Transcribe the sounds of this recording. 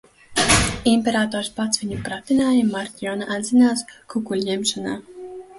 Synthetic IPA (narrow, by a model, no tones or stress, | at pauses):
imʲpʲeɾaːt̪ɔːɾspat̪svʲiɲʲupɾat̪inaːjimaɾt̪ʲijɔnaʔad̪zinaːskukulʲjɛmʃanaː